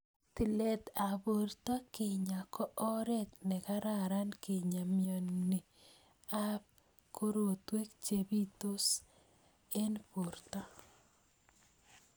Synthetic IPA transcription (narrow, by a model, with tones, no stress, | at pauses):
ti˨le˦˨t̪a˨bo˨ɾt̪a˦kɪ˨ɲa˨kʰɔ˦ʔːɾɛ˦t̪nɛ˨ka˦ɾa˨ɾa˦nki˨ɲa˨mjo˨nːi˨ | a˦p̚ | kʰo˦ɾo˨t̪we˦kt͡ʃe˨bi˦t̪o˦s | e˦npo˨ɾt̪a˦